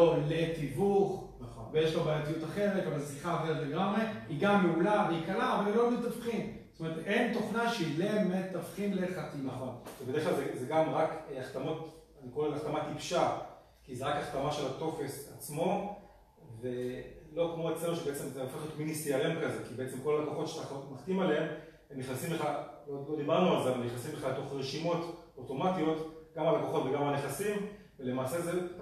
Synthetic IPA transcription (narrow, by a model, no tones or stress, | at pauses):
lolet̪ivuχ | n | vejeʃlobaːjat̪ijut̪aχe̞ʁetavalsiχaχeʁetleɡamʁe̞iɡamːeulaveikalaːvalimlommet̪afχimst̪omeet̪ʔent̪o̞χnaʃilemet̪afχinleχat̪inaχo̞nvebedeklalzezeɡamʁakaχt̪amo̞tanikoʁeaχt̪amat̪ipʃa | kizeʁakaχt̪amaʃe̞lat̪o̞fe̞sat͡smo̞ | ve̞lo̞kmo̞et͡slemoʃebe̞et͡se̞mzeofeχjot̪minisiaʁemkaze̞kibeet͡semko̞lalakoχo̞tʃe̥taχmaχt̪imaleem | emniχnasimle̞χalolo̞d̪ibaʁnualzeavalniχnasimleχalet̪o̞χʁeʃimo̞t | oto̞matio̞t̪ɡamalakoχo̞tveɡamalaneχasim | vele̞maːse̞ze